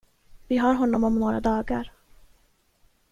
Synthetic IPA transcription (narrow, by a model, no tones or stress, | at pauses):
vɪɦaɾɦɔnːɔmɔmnoːɾa̰d̪ɑːɡaɾ